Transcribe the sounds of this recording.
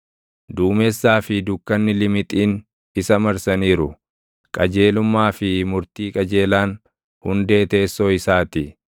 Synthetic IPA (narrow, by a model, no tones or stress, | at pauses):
d̪uːmɛsːaːfɪd̪ʊkːɐnːɪlɪmɪt̪ʼiːn | ɪsɐmɐɾsɐniːɾʊ | kʼɐd͡ʒe̞ːlʊmːaːfɪmʊɾt̪iːkʼɐd͡ʒe̞ːlaːn | hʊnd̪e̞ːt̪e̞ːsːoːɪsaːt̪ɪ